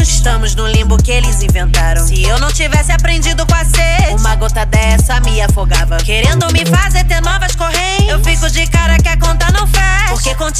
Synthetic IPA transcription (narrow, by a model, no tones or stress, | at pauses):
zɪʃt̪ɐ̃mʊznʊlĩmbʊkɪelɪzĩvẽnt̪aɾɐ̃w̃ɪewnɐ̃w̃t͡ʃivɛsɪapɾẽd͡ʒid̪ʊkw̃aseũmɐɡot̪ɐd̪ɛsɐmɪafoɡavɐkeɾẽnd̪ʊmɪfazeɾt̪eɾnɔvɐskohẽewfikʊd͡ʒɪkaɾɐkɪakõt̪anɐ̃w̃fɛ | poɾkekõt͡ʃ